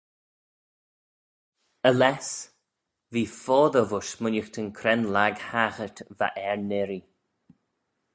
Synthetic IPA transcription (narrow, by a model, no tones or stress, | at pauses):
əlɛs | viːfɔːðəvʊʃmʊnəxt̪ʰənkʰɾɛnlaɡhaːxət̪va̰ʔɛɹnɪɾi